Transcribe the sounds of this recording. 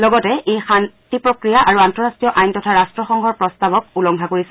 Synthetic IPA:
lɔɡɔtɛʔejxantipɹokɹijaʔaɹuantɔɹastɹijɔʔajntɔtʰaɹastɹɔxɔŋɡʱɔɹpɹɔstabɔk̚ulɔŋkʰakoɹisɛ

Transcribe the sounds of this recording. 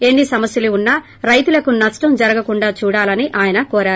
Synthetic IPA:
e̞nːisɐmɐsjɐluunːɐ | ɾɐjt̪ulɐkunɐsʈɐmd͡ʒɐɾɐɡɐkuɳɖaːt͡ʃuːɽaːlɐniʔaːjɐnɐkɔːɾaːɾu

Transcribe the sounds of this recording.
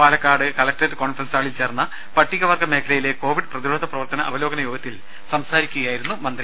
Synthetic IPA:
paːlɐkːaːɽɨkɐlɐk̚ʈɐɾɨko̞ːnfrɐnsaːɭilt͡ɕe̞ːrnːɐ | pɐʈːiɣɐʋɐrɡɐme̞ːkʰɐlɐjile̞ko̞ːʋiɖɨprɐðiɾoːd̪ʱɐprɐʋɐrt̪ɐnɐʔɐʋɐloːɡɐnɐjo̞ːɡɐt̪ːil | sɐmsaːɾikʲːuɣɐjaːjiɾunːumɐnd̪ri

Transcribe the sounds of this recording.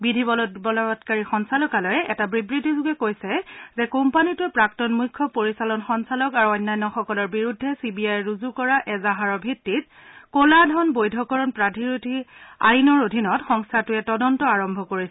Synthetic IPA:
bidʱibɔlbɔlɔtkaɹixɔnsalɔkalɔjɛʔɛtabɹibɹidʱizʊɡɛkojsɛzɛkɔmpanitʊɛpɹaktɔnmujkʰːɔpoɹisalɔnxɔnsalɔkaɹuɔjnːajnːɔxɔkɔlɔɹbiɹudʱːɛsibiajɹuzukɔɹaʔɛzaɦaɹɔbʱitːit̚ | koladʱɔnbojdʱɔkɔɹɔnpɹadʱiɹutia̰jnɔɹodʱinɔtxɔŋstʰatʊɛtɔdɔntɔaɹɔmbʱɔkoɹisɛ

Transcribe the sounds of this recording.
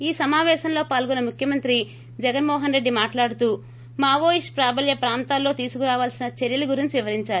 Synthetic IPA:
iːsɐmaːʋɛːʃɐmlo̞ːpaːlɡɔnɐmukʰjɐmɐnt̪ɾi | d͡ʒɛɡɐnmɔːɦɐnɾe̞ɖːimaːʈlaːɽut̪uː | maːʋoːjiʂpɾaːbʱɐljɐpɾaːnt̪aːlːo̞ːt̪iːsukuɾaːʋaːlsinɐt͡ʃeɾjɐluɡuɾiɲt͡ʃiʋiʋɐɾiɲt͡ʃaːɾuu

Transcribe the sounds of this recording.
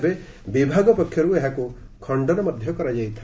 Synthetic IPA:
be | bibʱaɡɔpɔkʰːjɔɾueɦakukʰɔɳɖɔɾɔmɔd̪ʱjɔkɔɾajd͡ʒajt̪ʰa

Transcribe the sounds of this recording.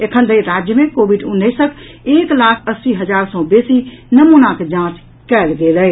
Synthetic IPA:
ekʰənd̪əiɾad͡ʒjəmẽkobiɖʊnːəɪsəkʰ | eːklaːkʰəsːiɦəd͡ʒaːɾsɔ̃besinəmunaked͡ʒãːt͡ʃ | kɛlɡelə

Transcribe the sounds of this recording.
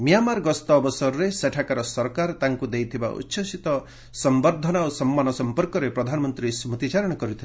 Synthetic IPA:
mijamaɾɡɔst̪ɔːbɔsɔɾɔɾeseʈʰakaɾɔsɔɾkaɾt̪aŋkud̪ejt̪ʰiba̰ʔṵtːʃʰɔsit̪ɔ | sɔmbɔɾd̪ʱɔnaosɔmːanɔsɔmpɔɾkɔɾepɾɔd̪ʱanɔmɔnt̪ɾismut̪it͡ʃaɾɔɽ̃ɔkɔɾut̪ʰile

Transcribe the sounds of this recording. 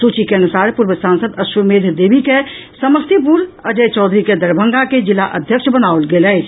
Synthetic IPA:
sut͡ʃikeənusaːɾpuɾʋəsansəd̪əʃumeːd̪ʱd̪eːbʱike | səməst̪ip̬uɾəd͡ʒəjt͡ʃɔːd̪ʱɾiked̪əɾbʱəŋɡaked͡ʒilaʔə̰d̪ʱjəkʃbənaolɡelɛː

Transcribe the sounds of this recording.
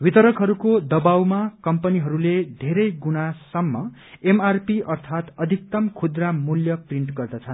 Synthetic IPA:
wit̪ʌɾʌkɦʌɾukod̪ʌbawmakʌmpʌniɦʌɾuled̪ʱeɾʌjɡunasʌmːʌ | emarpiʌrt̪ʰat̪ʌd̪ʱik̚t̪ʌmkʰud̪ramuljʌpriɳʈɡʌrd̪ʌt͡sʰʌn

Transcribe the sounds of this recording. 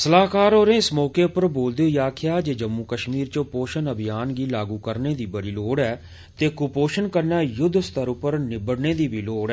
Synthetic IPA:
səlaːkaːɾoːɾẽːɪsmɔːkeːpəɾboːld̪eːjaːkʰɪjaːd͡ʒeːd͡ʒəmːuːkəʃmiːɾt͡ʃõpoːʃənəbɪjaːnɡiːlaːɡuːkəɾneːd̪iːbəɽiːloːɽɛː | t̪eːkʊpoːʃənkəɾnaːjʊd̪ʱst̪əɾʊpəɾnɪbəɽneːd̪iːbiːloːɽɛː

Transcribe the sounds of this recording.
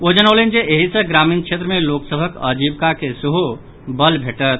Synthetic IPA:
od͡ʒənəlend͡ʒeʔeɦisə̃ɡɾaminkt͡ʃʰet̪ɾəmeloksəbʱəkə̰d͡ʒibkakeseɦu | bəlbʱeʈət̪

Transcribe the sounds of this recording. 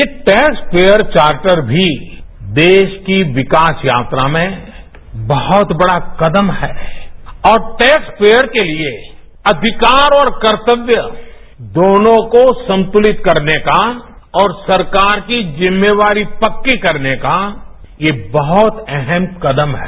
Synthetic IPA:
jeʈɛːkspeːjəɾt͡ʃaːɾʈəɾbʱid̪eːʃkiʋɪkaːsjaːt̪ɾamẽ | bɐhɔt̪bɐɽakɐd̪əmɦɛːɔːɾʈɛːkspeːjəɾkelie | ɐd̪ʱɪkaːɾɔːɾkɐɾt̪əʋjə | d̪oːnõkosɐ̃nt̪ʊlɪt̪kɐɾneka | ɔːɾsɐɾkaːɾkid͡ʒɪmːeʋaːɾipɐkːikɐɾneka | jebɐɦɔt̪ɛɦɛmkɐd̪əmɦɛ

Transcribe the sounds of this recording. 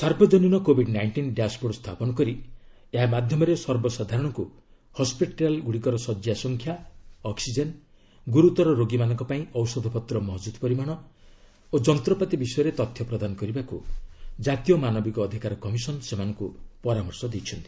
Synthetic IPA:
saɾbʱɔd͡ʒɔninɔkobʱiɖnajɳʈinɖeaspuɽst̪ʰapɔnɔkɔɾi | eɦamad̪ʱjɔmɔɾesɔɾbɔsad̪ʱaɾɔɽ̃ɔku | hɔspiʈalɡuɽikɔɾɔsɔd͡ʒjasɔŋkʰjaɔksid͡ʒen | ɡuɾut̪ɔɾɔɾoɡimanɔŋkɔpaĩɔwsɔd̪ʱɔpɔt̪ɾɔmɔɦɔd͡ʒud̪pɔɾimaɽ̃ɔ | od͡ʒɔnt̪ɾɔpat̪ibisɔjɔɾet̪ɔt̪ʰjɔpɾɔd̪anɔkɔɾibakud͡ʒat̪ijɔmanɔbikɔːd̪ʱikaɾɔkɔmisɔnsemanɔŋkupɔɾamɔɾsɔd̪ejt͡ʃʰɔnt̪i̥

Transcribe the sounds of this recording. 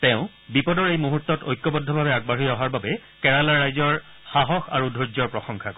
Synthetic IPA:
tɛʊ̃ | bipɔdɔɹejmuɦutːɔtojkːɔbɔdʱːɔbʱabɛaɡ̚baɦijɔɦaɹbabɛkɛɹalaɹːajzɔɹ | xaɦɔxa̰ɹudʱozɔɹpɹɔxɔŋkʰakɔ

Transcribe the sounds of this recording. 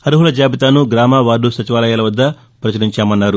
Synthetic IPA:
ɐɾuɦulɐd͡ʒaːbit̪aːnuɡɾaːmaːʋaːɾɖːusɐt͡ʃiʋaːlɐjaːlɐʋɐd̪ːɐ | pɾɐt͡ʃɐniɲt͡ʃaːmɐnːaːɾu

